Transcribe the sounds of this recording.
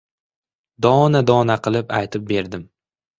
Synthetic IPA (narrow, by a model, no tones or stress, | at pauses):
d̪ɒnad̪ɒnaqʰɨlˠɪpajt̪ʰɪp̚be̞ɾd̪ɪm